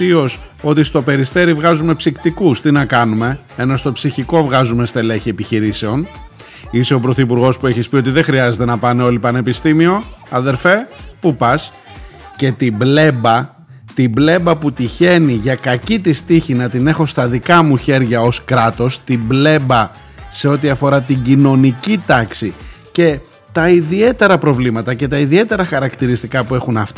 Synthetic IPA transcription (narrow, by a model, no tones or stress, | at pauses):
io̞s | o̞t̪ist̪o̞pe̞ɾist̪e̞ɾivɣɐzume̞psikt̪ikust̪inɐkɐnume̞ | eno̞st̪o̞psiçiko̞vɣɐzume̞st̪e̞leçie̞piçiɾise̞o̞n | iseo̞pɾo̞θipuɾɣo̞spue̞çispio̞t̪iðe̞xɾiɐzet̪e̞nɐpɐneo̞lipɐne̞pist̪imio̞ɐðe̞ɾfe̞pupɐs | ce̞t̪iblebɐ | t̪ible̞mbɐput̪içe̞niʝɐkɐcit̪ist̪içinɐt̪ine̞xo̞st̪ɐðikɐmuçe̞ɾʝɐo̞skɾɐt̪o̞st̪ible̞bɐ | se̞o̞t̪̬iɐfo̞ɾɐt̪iɟino̞nicit̪ɐksi | ce̞ | t̪ɐiðie̞t̪e̞ɾɐpɾo̞vlimɐt̪ɐce̞t̪ɐiðie̞t̪e̞ɾɐxɐɾɐkt̪iɾist̪ikɐpue̞xunɐft̪i